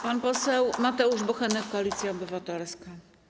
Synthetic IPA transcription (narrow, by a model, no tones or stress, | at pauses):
panpɔsɛwmat̪ɛuʐbɔxɛnɛkːɔalʲit̪sʲjaɔbɘvat̪ɛlska